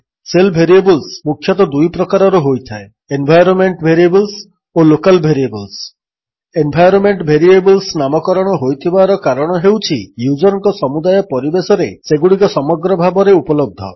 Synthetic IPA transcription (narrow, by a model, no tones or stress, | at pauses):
selbʱeɾiebɔlsmukʰjɔt̪ɔd̪ujpɾɔkaɾɔɾuɦojt̪ʰae | embʱajɾɔnmeɳʈbʱeɾiebɔls | olokalbʱeɾiebɔls | embʱajɾɔnmeɳʈbʱeɾiebɔlsnamɔkɔɾɔɽ̃ɔɦojt̪ʰibaɾɔkaɾɔɽ̃ɔɦewt͡ʃʰijud͡ʒɔɾɔŋkɔsɔmud̪ajɔpɔɾibesɔɾeseɡuɽikɔsɔmɔɡɾɔbʱabɔɾeupɔlɔb̚d̪ʱɔ̰